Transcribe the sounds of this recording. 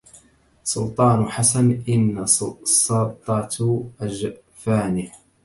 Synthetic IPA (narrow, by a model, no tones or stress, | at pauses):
sˤʊlt̪ˤɑːnʊħasanʔɪnːasɑlt̪ˤɑt̪ʔad͡ʒ | faːnɪ